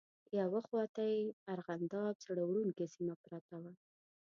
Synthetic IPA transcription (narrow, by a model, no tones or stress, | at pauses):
jawaxwɑt̪ajaɾɣand̪ɑb̚t͡saɽawɽunkesimapɾat̪awa